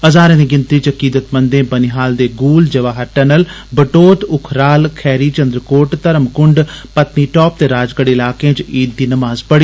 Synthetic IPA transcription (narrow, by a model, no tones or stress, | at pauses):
əzaːɾẽːd̪iːɡɪnt̪ɾiːt͡ʃəkiːd̪ət̪mənd̪ẽːbəniɦaːld̪eːɡuːld͡ʒəʋaːɦəɾʈɛnəl | bəʈoːt̪ʊkʰɾaːlkʰɛːɾiːt͡ʃə̃nd̪ɾəkoːʈt̪əɾəmkʊɳɖpət̪niːʈɔːp̚t̪eːɾaːd͡ʒɡəɽɪlaːkẽːt͡ʃiːd̪̚ːiːnəmaːzpəɽiː